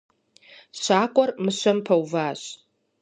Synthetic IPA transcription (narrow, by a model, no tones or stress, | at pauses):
ʃʷaːkʷʼɔrmɨʃʷɐmpʰɐwvaːʃʷ